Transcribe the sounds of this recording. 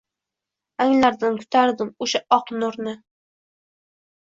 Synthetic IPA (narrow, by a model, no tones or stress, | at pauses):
aŋlaɾd̪ankʰʊ̥t̪ʰaɾd̪ɪmʊʃaʔɒqnʊɾnɪ